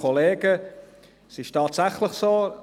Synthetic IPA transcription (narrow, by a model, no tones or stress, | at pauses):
ɔleːɡ̥ə | sɪʃtʰaːtsaχlɪχsoː